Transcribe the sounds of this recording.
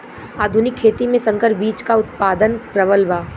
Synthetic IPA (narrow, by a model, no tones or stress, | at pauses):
aːd̪ʱʊnɪkʰːeːt̪imẽsɐ̃ŋkəɾbiːt͡ʃkaʊt̪̚paːd̪ənpɾɐʋəlʋaː